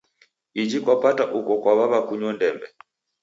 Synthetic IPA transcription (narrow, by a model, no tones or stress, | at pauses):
id͡ʒikwapataʔukɔkwaβaβakuɲɔndɛmbɛ